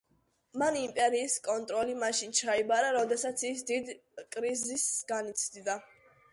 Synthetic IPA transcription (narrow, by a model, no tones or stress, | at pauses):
manimpʼɛɾiːskʼɔnt̪ʼɾɔlimaʃint͡ʃʰaibaɾaɾɔd̪ɛsat̪sʰisd̪id̪kʼɾizisɡ̥anit̪sʰd̪id̪a